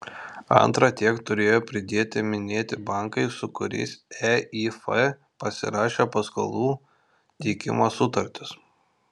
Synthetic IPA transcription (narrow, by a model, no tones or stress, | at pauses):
ɐ̰nt̪ɾɐt̪ʲiɛkt̪ʊɾʲeːjoːpʲɾʲɪd̪ʲeːt̪ʲɪmʲɪnʲeːt̪ʲɪbɐˑŋkɐɪsʊkʊɾʲɛ̰ɪsɛifɐ | pɐsʲɪ̰ɾɑːʃʲeːpɐsko̰lˠuː | t̪ʲɛːkʲɪ̰moːsʊt̪ɐɾʲt̪ʲɪs